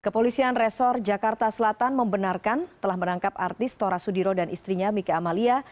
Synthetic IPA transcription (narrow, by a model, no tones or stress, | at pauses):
kəpolisianrɛsɔrd͡ʒakart̪asəlat̪anməmbənarkant̪əlahmənaŋkap̚a̰rt̪ɪst̪oɾasudiɾodanʔist̪ɾiɲamikaːmalia